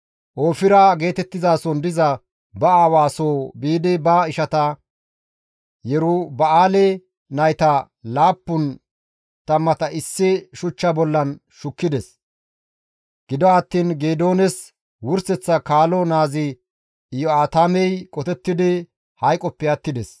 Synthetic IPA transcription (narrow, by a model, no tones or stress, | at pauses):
ʔoːfɪɾɐɡe̞ːt̪ɛt̪ːɪzaːsɔnd̪ɪzɐ | bɐaːwaːsoːbiːd̪ɪbɐɪʃɐt̪ɐ | jɛɾʊbɐaːlɛ | nɐjt̪ɐ | laːpːʊn | t̪ɐmːɐt̪ɐʔɪsːɪʃʊt͡ʃːɐbɔlːɐn | ʃʊkːɪd̪ɛs | ɡ̥ɪd̪ɔɐt̪ːiːnɡeːd̪oːnɛs | wʊɾsɛt͡sːɐkaːlɔnaːzɪ | ɪjɔaːt̪aːmɛjkʼɔt̪ɛt̪ːɪd̪ɪ | hɐjkʼɔpːɛjɐt̪ːɪd̪ɛs